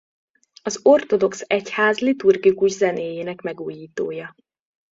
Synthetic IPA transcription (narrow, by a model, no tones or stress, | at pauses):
ɒzo̞rt̪o̞d̪o̞ksɛchaːzlit̪urɡikuʒzɛneːjeːnɛkmɛɡuːjiːt̪o̰ːjɒ